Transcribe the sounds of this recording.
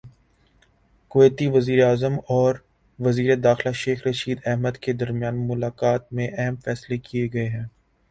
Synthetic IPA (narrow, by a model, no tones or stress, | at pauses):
kʊeːt̪iʋɐziːɾeaːzəmɔːɾ | ʋɐziːɾed̪aːxlaʃeːxɾɐʃiːd̪ɛɦməd̪ked̪ɐɾmijaːnmʊlaːkaːt̪̚mẽʔɛɦəmfɛːslekieɡɐeɦɛ̃ː